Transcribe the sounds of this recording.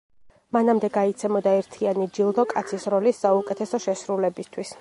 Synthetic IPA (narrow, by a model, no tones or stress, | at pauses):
manamd̪ɛɡait̪sʰɛmɔd̪aɛɾt̪ʰianid͡ʒilˠd̪ɔkʼat̪sʰisɾɔlisːaukʼɛt̪ʰɛsɔʃɛsɾulɛbist̪ʰwis